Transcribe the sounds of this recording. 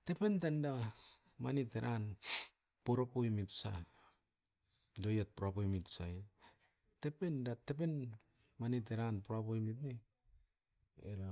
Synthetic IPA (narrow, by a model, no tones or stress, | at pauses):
tepentanda | ma̰niteɾʔa̰n | poɾapoimitsa̰ | dojat̚puɾapojmitsai | tependatep̬en | manit̬eɾanpuɾapoimit̬ni | ḛɾa